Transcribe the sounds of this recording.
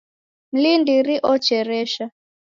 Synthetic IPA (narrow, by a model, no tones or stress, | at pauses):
m̩lindiɾiʔɔt͡ʃɛɾɛʃa